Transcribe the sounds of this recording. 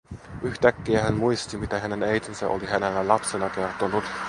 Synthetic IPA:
yçt̪ækːiæɦænmujst̪imit̪æɦæne̞nejt̪insæʔo̰liɦænelːælɑpsenɑke̞rt̪onut̪

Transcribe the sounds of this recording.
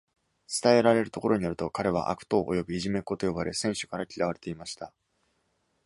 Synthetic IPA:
t͡sɨ̥t̪ae̞ɾaɾe̞ɾɯ̟t̪o̞ko̞ɾo̞ɲ̟ijoɾɯ̟̥t̪o̞kaɾe̞β̞a̰ʔa̰kɯ̟̥t̪o̞ːʔo̰jo̞bɯ̟iʑime̞ko̞t̪o̞jo̞baɾe̞sẽ̞ɰ̃ɕo̥kaɾakʲiɾaβ̞aɾe̞t̪e̞imaɕi̥t̪a

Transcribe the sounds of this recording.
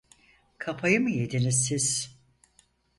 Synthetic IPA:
kʰapʰajɯmɯje̞d̪inizsiz̥

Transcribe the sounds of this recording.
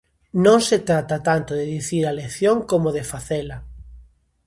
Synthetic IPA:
nõŋset̪ɾat̪at̪ant̪oðeðiθiɾaleθjoŋkomoðefaθela

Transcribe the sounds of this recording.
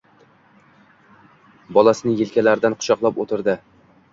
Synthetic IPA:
bɒlˠasɪnɪjelkʲalaɾd̪anqʰʊ̥ʃɒqlˠapot̪ʰɪɾd̪ɪ

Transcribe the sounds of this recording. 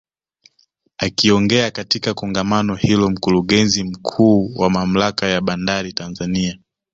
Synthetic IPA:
akiɔŋɡɛakatikakɔŋɡamanɔhilɔm̩kuɾuɠɛnzim̩kʰuːwamam̩lakajaɓandaɾitanzania

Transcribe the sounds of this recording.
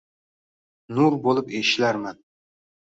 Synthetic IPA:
nuɾbolˠɪpeʃlaɾman

